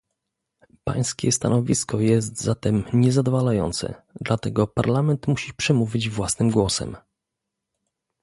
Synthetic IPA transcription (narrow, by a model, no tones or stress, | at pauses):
pa̰j̃skʲɛst̪a̰nɔvʲiskɔjɛst̪zat̪ɛmɲɛzad̪ɔvalajɔ̰nt̪sɛ̰d̪lat̪ɛɡɔpaɾlamɛnt̪muɕipʂɛmuvʲid͡ʑvwasnɘmɡwɔsɛ̰m